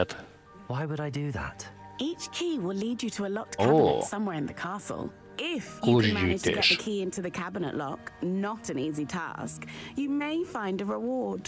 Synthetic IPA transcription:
t | waɪwəɾaɪdəða̰t | ʔiˑt͡ʃkʰiːwɪliːd͡ʒətʰəːlɒk̚kabnəsʌ̃mwɛːɹɪ̃nðəkʰɑˑsə̰lˠ | ɪfjɔzd͡ʒəɪd͡ʒʒ̥dəɪ̰ɡɛʃəkʰiːɪ̃ntʰuðəkʰabɪnə̰ʔlɒ̰knətə̃niːzitʰɑ̰ˑskjəmeɪfãɪ̃ndəɹɪwɔːd̥

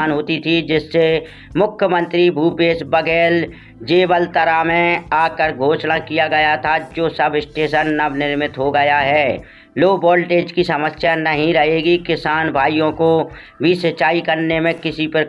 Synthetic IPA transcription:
nɦoːt̪it̪ʰid͡ʒɪsːe | mʊkʰjəmə̃nt̪ɾibʱuːpeːsbəɡɛːl | d͡ʒeːbəlt̪əɾamẽaːkəɾɡʱoːʃnakijaɡɐjat̪ʰad͡ʒoːsəbɪsʈeːʃənːəbnɪɾmɪt̪ɦoɡɐjaɦɛː | loːbɔːlʈeːd͡ʒkisɐməsjanəɦĩɾɐɦeːɡikɪsaːnbʱaːijõko | bʱisət͡ʃaːikɐɾnemẽkɪsipəɾ

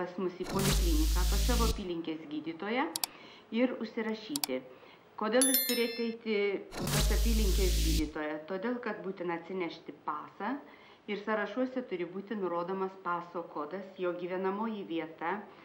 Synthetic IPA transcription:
pɐsmʊsiːpoːlʲɪklʲinʲɪkɑːpɐssɑːʋoːɐpʲiːlʲɪŋʲkʲeːsɡʲiːd̪ʲiːt̪oːjɛ | ɪɾʊʃʲsʲɪɾɐʃʲiːt̪ʲɪ | koːd̪ʲeːlˠjɪst̪ʊɾʲeːt̪ʲɛɪt̪ʲɪpɐsɐpʲiːlʲɪŋʲkʲeːsɡʲiːd̪ʲiːt̪oːjɛt̪oːd̪ʲeːlˠkɐt̪buːt̪ʲɪnɐɐt̪ʲsʲɪnʲɛʃʲt̪ʲɪpɑːsɐː | ɪɾsɐɾɐʃuɔsʲɛt̪ʊɾʲɪbuːt̪ʲɪnʊɾoːd̪oːmɐspɑːsoːkoːd̪ɐsjoːɡʲiːʋʲɛnɐmoːjɪʋʲiɛt̪ɐ

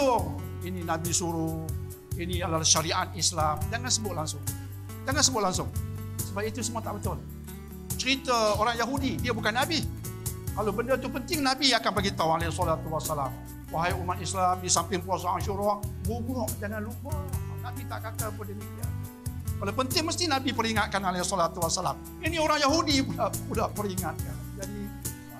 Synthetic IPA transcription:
ʊ | ininabisuɾʊ | iniadalaʃaɾiʔat̪̚islamd͡ʒaŋansəbʊʔ̪laŋsʊŋ | d͡ʒaŋansəbʊt̪ʔlaŋsʊŋ | səbapit̪usəmuat̪aʔbət̪ʊl | t͡ʃəɾit̪əoɾaŋjaɦudidiabukanːabi | lalobəndət̪upənt̪ɪŋnabiakanbaɡit̪aʊŋalesɔlat̪uwasalam | waɦajumat̪islamdisampɪŋpuasaaŋʃuɾɔʔbubɔʔdananlubənabit̪aʔkat̪abədiniia̰ | kalopənt̪ɪŋməst̪inabipəɾiŋat̪̚kanalesɔlat̪uwasala̰m | inioɾaŋjaɦudipulapulahpəɾiŋat̪̚kand͡ʒadi

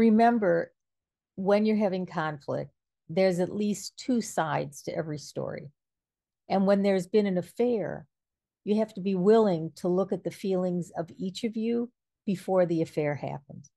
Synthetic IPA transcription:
ɹɨmɛ̃mbə˞ | wɨ̃njə˞ɦævɪ̃ŋkʰɑ̃ɱflɪ̰k̚t̪̚ | ðə˞zɨtˡlistʰʉsaɪdz̥tʰɨʔɛvɹistɔ̰ɹḭ | ʔɨ̃nwə̃nðə˞zbɨ̃ñɨ̃nɨfɛɹ | jɨhæftəbiwɪlˠɪ̃ŋtʰəlʊkɨt̪̚ðɨfilˠɪ̃ŋzʌvit͡ʃʌvjʉ | b̥ɨfɔɹðiɨfɛɹhæ̰pə̃n̩d̥

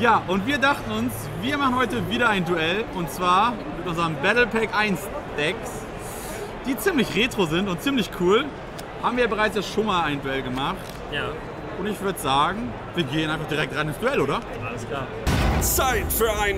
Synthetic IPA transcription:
jaːʔʊntv̥iːɐdaχtn̩ʊns | viːɐmaχn̩hɔʏtəviːɾɐaɪnduɛlʊntt͡sv̥aːɐ | mɪtʔʊnzəʁəmbɛtl̩pʰɛkʔaɪnsd̥ɛks | d̥iːt͡siːmlɪçʁeːtʁ̥ozɪntʊnt̚t͡siːmlɪçkʰuːl | haːbmviːɐjabəʁaɪt͡sjaːʃoːnmaːlaɪnduɛlɡəmaχt | ja | ʔʊntɪçv̥ʏɐdəz̥aːɡŋ̩ | viːɐɡeːənaɪnfaχd̥iːʁɛk̚tʁaɪnɪnsd̥uɛloːɾɐ | asaː | t͡saɪtfyːɐaɪn

